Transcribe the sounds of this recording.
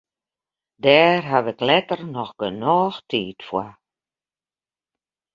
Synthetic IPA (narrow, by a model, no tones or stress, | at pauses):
dɛːrɦaʋəklɛtərnɔxɡ̥ənɔːxtʰiːtfwa